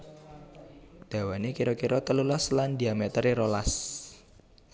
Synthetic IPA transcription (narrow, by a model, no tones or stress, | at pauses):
d̪̥a̤wanekiɾɔkiɾɔt̪əlulasland̪iamet̪əɾiɾolas